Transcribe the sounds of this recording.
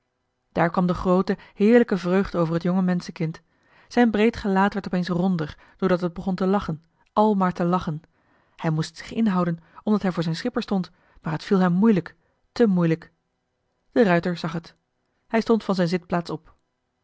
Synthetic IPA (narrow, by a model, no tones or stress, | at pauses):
d̥aːɹkʋɑmdəχrowtəhɪːɹləkəvrøɥχdəowvəɹɦətjɔŋəmɛnsəkɪnt | z̥ɛjnbrejtχəlaːtʋɛɹtɔpejnsrɔndəɹ | d̥oːɹdɑtɦəd̚bəχɔntəlɑχən | ʔɑlˠmaːɹtəlɑχən | hɛjmustz̥ɪ̥χɪnɦɑwdənɔmdɑtɦɛjvʊːɹzɛjnsχɪpəɹstɔnt | maːɹɦətfilˠɦɛmːujlək | təmujlək | d̥ərœɥtəɹzɑχɦət | hɛjstɔntfɑnzɛjnzɪt̚plaːtsɔp